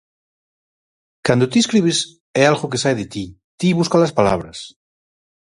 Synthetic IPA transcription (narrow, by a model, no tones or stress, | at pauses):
kand̪ot̪ieskɾiβ̞es | ɛalɣok̬esajðet̪i | t̪iβuskalaspala̰βɾɐs